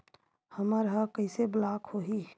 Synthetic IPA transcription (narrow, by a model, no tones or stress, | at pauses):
həməɾɦəkəɪseblaːkhoɦi